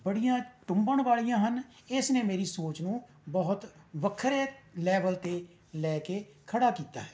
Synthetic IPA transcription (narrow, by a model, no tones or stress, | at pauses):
bəɽijãːʈʊmbəɳʋaːɭijãːɦənɪsnẽːmeːɾiːsoːt͡ʃnũː | bɔɦʊt̪ʋəkʰːəɾeːlɛːʋəlt̪eː | lɛːkeːkʰəɽaːkiːt̪a̰ːɦɛː